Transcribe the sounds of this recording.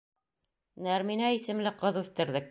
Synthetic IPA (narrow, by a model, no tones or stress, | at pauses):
næɾminæisɘ̆mlɘqɤ̆ðʉθt̪ɘ̆ɾðɘk̚